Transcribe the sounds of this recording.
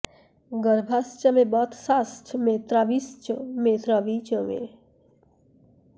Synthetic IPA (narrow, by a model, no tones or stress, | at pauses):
ɡəɾbʱast͡ʃəmebɔt̪ʰsastʰmet̪ɾaʋist͡ʃəmet̪ɾaʋit͡ʃəmḛ